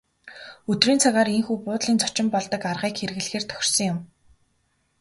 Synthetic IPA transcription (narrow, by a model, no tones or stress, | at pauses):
ɵt̪riːnt͡sʰaɣaːɾeŋxuːpʊːt̪ɮiːnt͡sʰɔ̥t͡ɕɪ̆mpɔɮt̪ɞ̆karʁiːkxeɾɘ̆ɣɘ̆ɮxeːrt̪ʰœ̥xʲɪ̥̆r̥sɞ̆ŋjʊm